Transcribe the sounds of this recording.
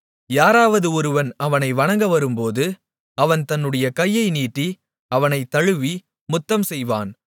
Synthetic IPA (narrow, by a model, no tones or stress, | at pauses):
jaːɾaːʋɐðɯɔɾɯʋɐnɐʋɐnɐɪʋɐɳɐŋɡɐʋɐɾɯmpoːðɯ | ɐʋɐnt̪ɐnːɯɽɐjɐkɐjːɐɪniːʈːi | ɐʋɐnɐɪt̪ːɐɻɯʋi | mʊt̪ːɐmsɛjʋa̰ːn